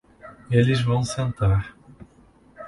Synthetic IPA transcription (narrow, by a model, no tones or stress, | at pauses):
elɪzvɐ̃w̃sẽnt̪aɾ